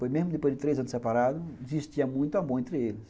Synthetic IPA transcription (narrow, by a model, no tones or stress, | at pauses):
pojzmezmʊd̪ɪpojd̪ɪt̪ɾejzɐ̃nʊsepaɾad̪ʊd͡ʒɪziʃt̪iɐmũj̃t̪uɐ̃mbõẽnt̪ɾɪelɪs